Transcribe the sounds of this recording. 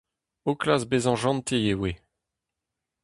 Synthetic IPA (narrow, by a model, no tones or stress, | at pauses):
oklasbezɑ̃ʒɑ̃nt̪ʰejewe